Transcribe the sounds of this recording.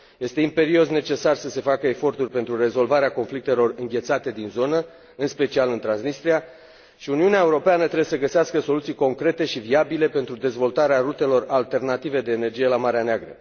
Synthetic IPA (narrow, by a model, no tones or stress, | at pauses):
je̞st̪e̞impe̞ɾio̞sne̞t͡ʃe̞sarsəse̞fakəefo̞rt̪urʲpe̞nt̪ɾure̞zo̞lvaɾeako̞nflik̚t̪e̞lo̞rɨŋɡʲe̞t̪sat̪e̞d̪inzo̞nə | ɨnspe̞t͡ʃialɨnt̪ɾansnist̪ɾia | ʃiuniuneae̞uɾo̞peanət̪ɾebjesəɡəseaskəso̞lut̪sijko̞ŋkɾe̞t̪e̞ʃiviabile̞pe̞nt̪ɾud̪e̞zvo̞lt̪aɾeaɾut̪e̞lo̞ralt̪e̞rnat̪ive̞d̪e̞ːne̞rd͡ʒije̞lamaɾeaneaɡɾə̰